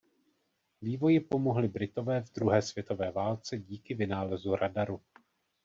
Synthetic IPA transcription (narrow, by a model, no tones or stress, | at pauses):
viːvo̞jɪpo̞mo̞ɦlɪbɾɪt̪o̞vɛːvd̪ɾuɦɛːsv̥jɛt̪o̞vɛːvaːlt͡sɛɟiːkɪvɪnaːlɛzuɾadaɾu